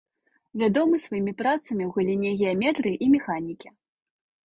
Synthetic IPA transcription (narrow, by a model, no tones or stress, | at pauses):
vʲad̪ɔmɨsvajimʲipɾat̪sɐmʲiwɣulʲinʲɛɣʲɛamʲɛt̪ɾɨʔimʲɛxanʲikʲi